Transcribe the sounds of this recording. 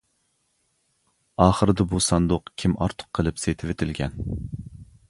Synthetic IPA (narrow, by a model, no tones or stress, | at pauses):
ɑːχəɾɨd̪ɛbusɑnd̪ʊqkʲʰimɑ̰ɾt̪ʰʊ̥qʰːəlˠɨpset̪ʰɪvet̪ʰɪlɡʲɛn